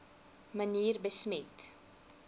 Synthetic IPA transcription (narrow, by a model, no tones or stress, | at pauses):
məniːrbəsmɛt